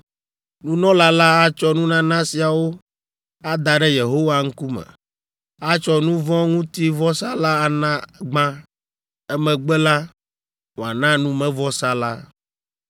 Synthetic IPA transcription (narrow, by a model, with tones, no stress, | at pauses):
nũ˦nɔ̃˦la˦la˦a˦t͡ʃɔ˦nũ˦nã˦nã˦si˨a˨wo˦ | a˦d̪a˨ɖɛ˦je˨ɦo˦wa˦ŋ̩˦ku˦mɛ̰̃˨ | a˦t͡ʃɔ˦nũ˦vɔ̃˦ŋũ˦t̪i˦vɔ˦sa˦la˦a˨nã˦ɡ͡bã˦ | ɛ˦mɛ̃˨ɡ͡bɛ˦la˦ | ŋo˨a˨nã˦nũ˦mɛ̃˦vɔ˦sa˦la˦